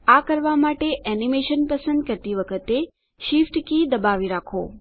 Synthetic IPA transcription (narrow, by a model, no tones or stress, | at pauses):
akəɾʋamaʈeʔɛnimeʃənpəsənd̪̚kəɾt̪iʋəkʰət̪e | ʃifʈkid̪əbaʋiɾakʰo̰